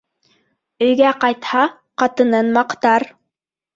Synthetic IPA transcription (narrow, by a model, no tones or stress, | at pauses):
ɵ̆jɡæqɑjt̪hɑ | qɑt̪ɤ̆nɤnmɑqt̪ɑɾ